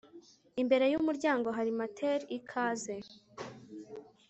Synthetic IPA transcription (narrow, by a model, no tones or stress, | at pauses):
imbe̞ɾe̞jumuɾɟaːŋɡo̞ɦaɾimatʰeɾikʰaːze̞